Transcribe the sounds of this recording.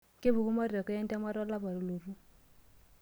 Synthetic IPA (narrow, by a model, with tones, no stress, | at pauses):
kɪ˦bu˨ku˦mɔ˦ɾɔ˨kɔ˦ɛ˦n˦tɛ˦ma˦ɾɔ˦la˦ba˨ɾu˨lo˨ru˦